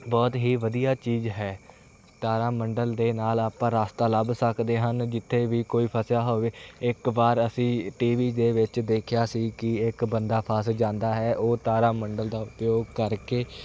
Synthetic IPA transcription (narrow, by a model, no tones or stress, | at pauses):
bɔːt̪ɦiːʋəd̪ijaːt͡ʃiːzɦɛː | t̪aːɾaːməɳɖəld̪eːnaːlaːpãːɾaːst̪aːləbsəkd̪eːɦənd͡ʒɪt̪ʰːeːʋiːkoːiːpʰəsjaːɦoːʋeːɪkbaːɾəsĩːʈiːʋiːd̪eːʋɪt͡ʃd̪eːkʰjaːsiːkɪɪkbənd̪aːpʰaːsd͡ʒãːnd̪aːɦɛːʔoːt̪aːɾaːməɳɖəld̪aːʊpjoːɡ̚kəɾkeː